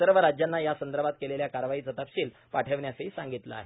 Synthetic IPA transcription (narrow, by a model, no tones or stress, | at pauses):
səɾʋəɾad͡ʑjanːajasənd̪əɾbʱat̪̚keleljakaɾʋaɦiːt͡sət̪apɕiːl | paʈʰəʋɳjaseisãŋɡit̪la̰ːɦe